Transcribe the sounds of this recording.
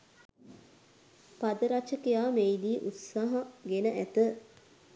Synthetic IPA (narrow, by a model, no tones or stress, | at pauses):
pad̪əɾat͡ʃəkejaːmejd̪iːʔut̪saɦaɡenəʔæt̪ə